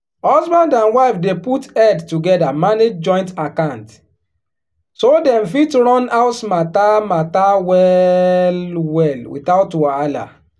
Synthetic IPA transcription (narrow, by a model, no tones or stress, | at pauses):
hɔzbãndãnwaɪfdeputɛdtuɡɛdamaned͡ʒd͡ʒɔ̃ɪ̃ntakãnt | sodɛ̃mfitɹɔ̃naʊtmatamatawɛlwɛlwḭθaʊtwaala̰